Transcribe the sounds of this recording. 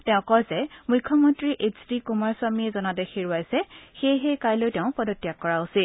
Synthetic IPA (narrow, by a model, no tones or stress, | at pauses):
tɛʊ̃kɔɹzɛmujkʰːɔmɔntɹiʔet͡ʃʰdikɔmaɹsamiɛzɔnadɛxeɹʊajsɛxejɦejkajlojtɛʊ̃pɔdɔtːijakːɔɹausil